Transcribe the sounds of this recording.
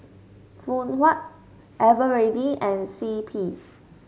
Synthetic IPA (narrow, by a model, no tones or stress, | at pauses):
fũnhwat̚ | ʔɛvəɹediɛ̃nsipʰi